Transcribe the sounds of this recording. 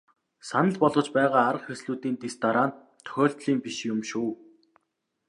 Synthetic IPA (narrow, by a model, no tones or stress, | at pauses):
sanə̆ɮpɔɮʁɞ̆t͡ɕpæːʁaːaɾə̆χxesɮuːt̪iːnt̪ist̪aɾant̪ʰːɵ̥xʲɔːɬt̪ɮiːmpiʃjʊmʃuː